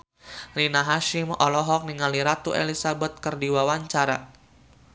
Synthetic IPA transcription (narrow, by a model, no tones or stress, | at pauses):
rinaɦaʃimɔlɔɦɔk̚niŋaliɾat̪uelisabɛt̪̚kərdiwawaɲt͡ʃaɾa̰